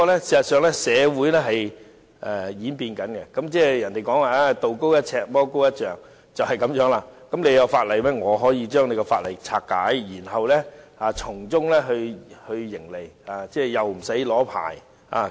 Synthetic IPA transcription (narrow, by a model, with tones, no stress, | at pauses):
kɔː˧lɛ˥siː˨˩sɐ˨t̚sœː˨˧ŋlɛ˥sɛː˨˧wuː˨˥jlɛː˥ɦɐ˨j | ʔɛ˨jiː˨˥npiː˧nkɐ˨˥nɡɛ̰˧kɐ˨˥mt͡sɛː˥˩jɐ˨˩nt̪e˨jkɔː˨˥ŋwaː˨˩aː˧t̪o˨wko˥wjɐ˥t̚ʰɛː˧k̚mɔː˥ko˥wjɐ˥t̚t͡ʃœː˨ŋ | t͡sɐ˨whɐ˨jkɐ˨˥mjœː˨˥ŋlaː˧kɐ˨˥mne˨˧jkɐɔ˧wfaː˧t̚lɐ˨jmɛː˥ŋɔː˨˧ɦɔː˨˥jiː˨˧t͡ʃœː˥ŋne˨˧jkɔ˧faː˧t̚lɐ˨˩jt͡sʰaː˧k̚kːaː˨˥jjiː˨˩nɦɐ˨wlɛː˥aː˧t͡ʃʰʊ˨˩ŋt͡sʊ˥ŋlɛː˥ɦɵ˧hɵ˧ɥjɪ˨˩ŋle˨jaː˨˧t͡sɛː˥˩jɐ˨wm̩˨˩sɐ˨˥jlɔː˨˥pʰa̰ː˨˩j | a̰ː˨˧